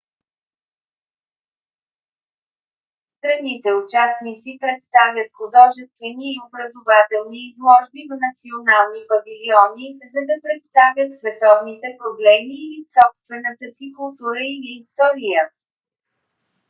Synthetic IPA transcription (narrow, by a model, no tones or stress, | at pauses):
st̪ɾɐnit̪ɛʊt͡ʃasnit̪sipɾɛt̪st̪avʲjət̪xʊd̪ɔʒɛst̪vɛniːobɾəzʊvat̪ɛlˠniːzlˠɔʒbivnət̪sionalˠnipɐviliɔnizɐd̪ɐpɾɛt̪st̪avʲjət̪svɛt̪ɔvnit̪ɛpɾoblɛmiːlisɔpst̪vɛnət̪əsikʊlˠt̪uɾəiliːst̪ɔɾijə